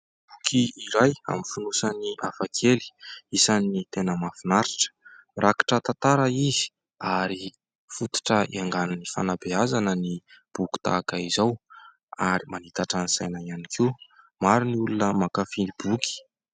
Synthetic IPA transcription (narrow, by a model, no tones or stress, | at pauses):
b̥ukʰiiɾaja̰mifunusaniafakʰeli̥isanit̪enəmafinaɾiʈ͡ʂə̥ | rʔakḁʈ͡ʂət̪at̪aɾaizi̥ | aɾi | fut̪i̥ʈ͡ʂəḭaŋɡananifa̰nabeazanənib̥uku̥t̪a̰kaizaw | aɾimanit̪aʈ͡ʂanisajnaianikʰi | maɾiniulunəmakafinibuki̥